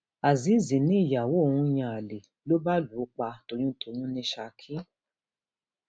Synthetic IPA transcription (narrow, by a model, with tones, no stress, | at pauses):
a˨zi˨˦zĩ˨nĩ˦i˦˨ja˨wo˨˦˨hũ˧˦j̃ã˧˨a˨le˨ | lo˦ba˦lu˨˦k͡pa˧to˨˧j̃ũ˦tʰo˨j̃ũ˦nĩ˧˦ʃa˧kʰi˦